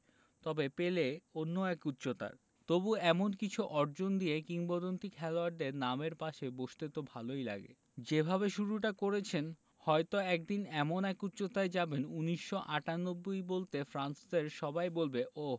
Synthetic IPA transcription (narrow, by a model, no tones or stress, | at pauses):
t̪ɔbepeleonːoɛkut̪ːɕot̪a̰ɾ | t̪obuɛmonkit͡ɕʰuʔɔɾd͡ʑond̪iekiŋbod̪ont̪ikʰɛloaɾɖeɾnameɾpaʃeboʃt̪et̪obʱalojla̰ɡḛ | d͡ʑebʱaβeʃuɾuʈ̬akoɾet͡ɕʰen | hɔet̪oɛk̚d̪inɛmonɛkut̪ːɕot̪aed͡ʑabenuniʃːoʔaʈanobːojbolt̪efɾansd̪eɾʃɔbajbolbeʔo